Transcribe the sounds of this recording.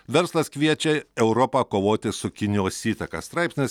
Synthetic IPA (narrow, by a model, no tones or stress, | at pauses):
ʋʲɛɾslˠɐskʋʲiɛt͡ʃʲɛɛʊɾɔpɐkoːʋoːt̪ʲɪsʊkʲɪnʲjoːsiːt̪ɐkɐ̰st̪ɾɑˑɪpʲsʲnʲɪs